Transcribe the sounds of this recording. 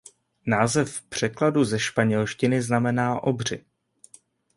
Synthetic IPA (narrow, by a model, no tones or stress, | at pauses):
naːzɛfpr̝̥ɛkladuzɛʃpaɲɛlʃcɪnɪznamɛnaːʔo̞br̝ɪ